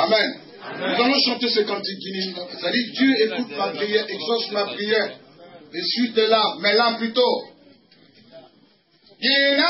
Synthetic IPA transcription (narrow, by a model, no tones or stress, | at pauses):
amɛ̃n | nuzalɔ̃ʃɑ̃t̪esekãt̪ĩɡinĩsesadid̪jøekut̪̚mapʁijɛeɡzɔsmapʁijɛʁ | esɥid̪elamɛlãplyt̪o | jena